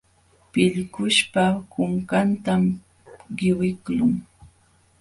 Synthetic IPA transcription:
pɪʎkʊʃpakʊŋkant̪am | ɢɪwɪklʊŋ

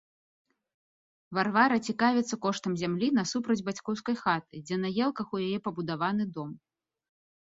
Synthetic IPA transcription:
varvaɾɐt͡sʲikavʲɛt̪sːɐkɔʂt̪ɐmzʲamlʲinɐsupɾɐd͡zʲbat͡sʲkɔwskɐjxat̪ɨ̥d͡zʲɛnɐjɛlˠkɐxujajɛpɐbud̪avanɨd̪ɔm

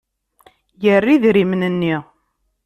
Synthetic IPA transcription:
jərːiðɾimnənːi

